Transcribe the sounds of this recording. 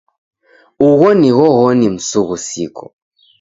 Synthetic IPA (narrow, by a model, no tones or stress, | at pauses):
uɣɔniɣɔɣɔnim̩suɣusḭkɔ̥